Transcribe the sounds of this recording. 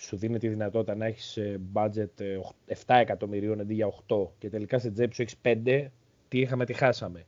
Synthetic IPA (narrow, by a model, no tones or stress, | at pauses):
suðine̞t̪eiðinɐt̪o̞t̪it̪ɐnɐeçi̥sbɐd͡ze̞t̪oxeft̪ɐe̞kɐt̪o̞miɾio̞ned̪iʝɐoxt̪o̞ce̞t̪e̞likɐsed͡zepsueçi̥spe̞nd̪e̞ | t̪iixɐme̞t̪ixɐsɐme̞